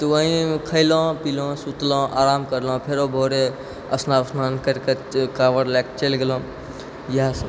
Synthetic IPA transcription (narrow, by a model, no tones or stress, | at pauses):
t̪uʋəɦĩkʰəjlɔ̃ːpilɔ̃sut̪lɔ̃ʔaːɾaːmkəɾlɔ̃ːpʰeɾobʱoːɾe | ɐ̰snaːsnaːnkəɾkekaːʋəɾlaːkt͡ʃelɡelɔ̃ | jas